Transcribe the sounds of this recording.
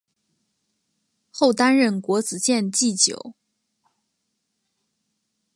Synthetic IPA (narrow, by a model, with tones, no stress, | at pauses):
xo˥˩ʊt̪a˥nɻə˥˩nkwɔ˧˥t͡sɹ̩˨˩ɕjɛ˥˧nt͡ɕi˥˩t͡ɕjo̰˨˩˦ʊ